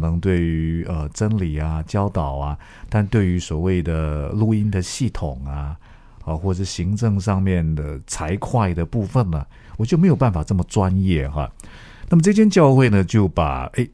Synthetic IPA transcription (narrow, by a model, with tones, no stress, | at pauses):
nɤ˧˥ŋt̪we˥˩ɪy˧˥˧ə˧ʈ͡ʂə˥nli˨˩a˦t͡ɕjɑ˥ʊt̪ɑ˨˩ʊɐ˦ | t̪a˥˧nt̪we˥˩ɪy˧˥swɔ˨˩we˥˩ɪd̪ə˩lu˥˧i˥nd̪ə˨ɕi˥˩t̪ʰʊ˨˩ŋa˦ | ə˧xwɔ˥˩ʈ͡ʂɤ˥˩ɕi˧˥ŋʈ͡ʂɤ˥˧ŋʂɑ˥˧ŋmjɛ˥˩nd̪ə˩t͡sʰa˧˥ɪkʰwa˥˧ɪd̪ə˩pu˥˧fə˥˩nlə˩ | wɔ˨˩t͡ɕjme˧˥ɪjo˨˩pa˥˩nfa˨˩ʈ͡ʂɤ˥˩mə˩ʈ͡ʂwa˥njɛ˥˩xɐ̰˧˩ | na˥˩mə˩ʈ͡ʂɤ˥˧t͡ɕʰjɛ˥nt͡ɕjɑ˥˧ʊxwe˥˩ɪnə˩t͡ɕjo˥˩ʊpa̰˨˩e˥˩ɪ